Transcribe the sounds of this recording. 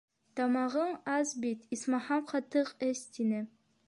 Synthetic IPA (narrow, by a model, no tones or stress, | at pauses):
t̪ɑmɑʁɤɴɑzbit̪ismɑhɑmχɑt̪ɤqɘst̪inɘ